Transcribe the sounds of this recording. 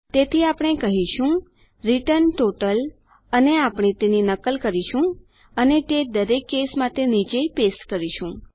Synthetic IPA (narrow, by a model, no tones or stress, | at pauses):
t̪et̪ʰiapɽ̃ekəɦiʃũ | ɾiʈənʈoʈəl | əneapɽ̃et̪eninəkəlkəɾiʃũ | ənet̪ed̪əɾekːesmãt̪enid͡ʒepesʈkəɾiʃũ